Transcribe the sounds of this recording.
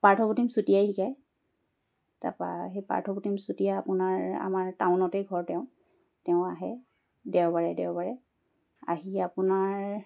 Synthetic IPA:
paɹtʰɔputimsutijajhikaj | ta̰pa̰ɦejpa̰ɹtʰɔputimsutijaːpʊnaɹa̰maɹtaʊnɔtejɡʱɔɹtɛʊ̃ | tɛʊ̃aɦɛ | dɛwbaɹɛdɛwbaɹɛ | a̰ɦiapʊnaɹ

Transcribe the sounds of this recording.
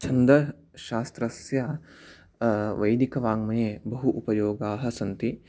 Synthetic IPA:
t͡ʃʰɐnd̪ɾɐ | ʃaːst̪ɾɐsja | ʋɐjd̪ikɐʋaːŋmɐjeːbɐɦuʔupɐjoːɡaːɦɐ̆sɐnt̪i

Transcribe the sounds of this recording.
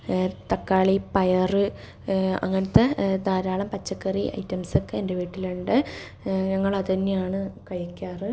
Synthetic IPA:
t̪ɐkːaːɭipɐjɐrɨ | ɐ̰ŋːɐnɐt̪ːed̪aːɾaːɭɐmpɐt͡ɕːɐkːɐriʔɐ̰jtːɐmsokːeende̞ʋiːʈːiluɳɖɨ | ɲɐŋːɐɭɐðɐnːejaːɳɨkɐjɐkʲːaːrɨ

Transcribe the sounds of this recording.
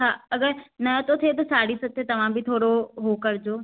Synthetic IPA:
ɦãːɐɡəɾnɐt̪ot̪ʰet̪̬osaːɽisɐt̪et̪ɐʋ̤ãbʱit̪ʰoːɽoɦokɐɾd͡ʒoː

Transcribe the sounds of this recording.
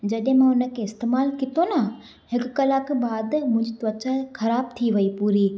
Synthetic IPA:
d͡ʑɐɗẽmãʊnə̆kʰeɪst̪eːmaːlkit̪ona | hɪkkɐlaːkbaːd̪mʊ̃ɪ̃ɲd͡ʑit̪ʋɐt͡ɕəxʰɐɾaːb̚t̪ʰiʋɐipuːɾiː

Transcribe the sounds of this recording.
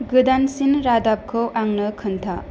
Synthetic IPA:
ɡɯdansinɾadap̚kʰɯwʔaŋnɯkʰɯnt̪ʰa

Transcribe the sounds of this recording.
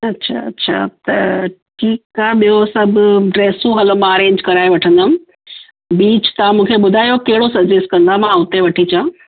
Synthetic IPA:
ɐtːɕʰa̰ɐ̰tːɕʰa̰t̪ɐʈʰiːkaːɦɓijosɐbʱʊɖɾeːsũɦɐlmãəɾẽːɲd͡ʑkɐɾaːeʋɐʈʰə̃nd̪əmɪ̃̆ | biːt͡ɕt̪ɐʋãmũːkʰeɓʊd̪ʱaːjokɐɦɪɽosɐɾd͡ʑesʈkɐ̃nd̪amãʊt̪eʋɐʈʰit͡ɕã

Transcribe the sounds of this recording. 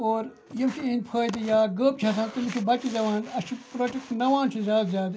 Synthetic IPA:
oːɾ | jɐmt͡ʃʰiinʲpʰəːd̪ijaːɡəːp̚t͡ʃʰɐsãnt̪ɨmikʰibɐt͡ʃizɐʋãːnd̪ɐt͡ʃʰipɾoʈiknɐʋãːnt͡ʃʰizʲaːd̪zʲjaːd̪

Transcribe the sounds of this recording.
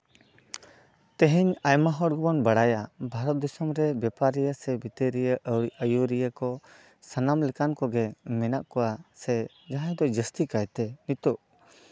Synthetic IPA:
t̪ɛɦɛɲajmaɦɔɽɡɔbɔnbaɽajabʱaɾɔt̪̚d̪ɔsɔmɾɛbɛpaɾijəsɛbit̪əɾijəəjuɾijəkɔ | sanamlɛkankɔɡɛmɛnaʔkɔwasɛ | d͡ʒaɦãjd̪ɔd͡ʒəst̪ikajt̪ɛnit̪ɔʔ

